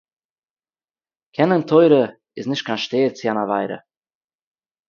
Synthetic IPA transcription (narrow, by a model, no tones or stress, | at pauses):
kʰɛnəntʰoɪɾə | ɪsnɪʃt̚kʰanʃteːəɾt͡sianava̰ɪɾə̰